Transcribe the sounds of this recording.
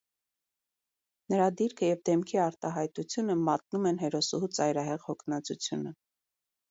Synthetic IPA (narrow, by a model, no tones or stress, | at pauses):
nəɾɑd̪iɾkʰəjɛvd̪ɛmkʰiɑɾt̪ɑɦɑjt̪ut͡sʰjunəmɑt̪̚numɛnɦɛɾɔsuhut͡sɑjɾɑɦɛʁhɔkʰnɑt͡sut͡sʰjunə